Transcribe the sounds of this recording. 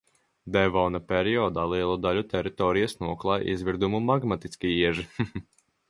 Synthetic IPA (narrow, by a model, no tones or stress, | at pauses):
d̪ɛvɔwnapʲɛɾiɔːd̪aːlˠiɛlˠud̪alʲut̪ɛɾit̪ɔːɾijasnuɔklˠaːj̰ʔizviɾd̪umumaɡmat̪iskʲiiɛʒi